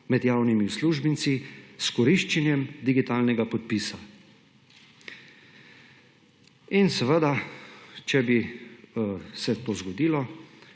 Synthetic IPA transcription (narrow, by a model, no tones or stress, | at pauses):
mɛd̪jaːwnimiwsluʒbinsiskɔɾiʃt͡ʃɛnjɛmd̪iɡit̪aːlnɛɡapɔt̪̚pisa | insəʋəd̪a | t͡ʃɛbi | sɛt̪oːzɡɔd̪iːlɔ